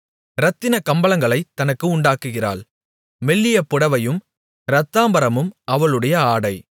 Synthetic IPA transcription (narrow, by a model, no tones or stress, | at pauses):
ɾɐt̪ːɪnɐkɐmbɐɭɐŋɡɐɭɐɪt̪ːɐnɐkːɯʊɳɖaːkːɯɣɪra̰ːɭ | mɛɭːɪjɐpːʊɽɐʋɐjɯm | ɾɐt̪ːaːmbɐɾɐmɯmɐʋɐɭɯɽɐjɐaːɽɐɪ